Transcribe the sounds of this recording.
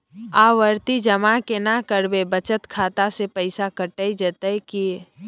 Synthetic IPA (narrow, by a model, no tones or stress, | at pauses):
aʋəɾt̪id͡ʒəmakenakəɾbebət͡ʃət̪kʰaːt̪asepəɪsakəʈəid͡ʒət̪əki